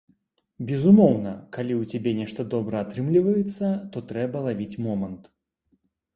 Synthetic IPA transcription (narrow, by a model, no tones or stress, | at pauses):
bʲɛzumɔwnɐkalʲiwt͡sʲabʲɛnʲɛʂt̪ɐd̪ɔbɾɐːt̪ɾɨmlʲivɐjɛt̪sːɐt̪ɔt̪ɾɛbɐlˠavʲit͡sʲmɔmɐnt̪